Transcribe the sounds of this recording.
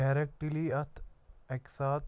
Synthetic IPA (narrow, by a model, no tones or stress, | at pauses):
aːɾek̚ʈiliɐt̪ʰeksaːt̪